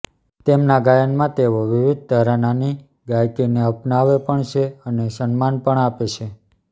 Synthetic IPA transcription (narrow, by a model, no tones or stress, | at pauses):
t̪emnaɡajənmãt̪eʋoʋiʋid̪̚t̪aɾanani | ɡajkineəpnaʋepəɳt͡ʃʰeənesənmanpəɳapet͡ʃʰe